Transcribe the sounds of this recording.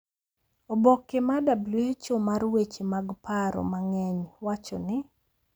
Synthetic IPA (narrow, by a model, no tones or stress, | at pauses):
obɔkːɪmadabluet͡ʃomarwet͡ʃimaɡpaɾɔ̰maŋɛɲwat͡ʃɔnɪ